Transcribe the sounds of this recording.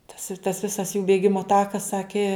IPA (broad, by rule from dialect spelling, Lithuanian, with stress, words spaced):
tɐs ɪ tɐs ˈʋʲɪsɐs juː bʲeːˈɡʲɪmoː ˈtɑːkɐs ˈsɑːkʲɪ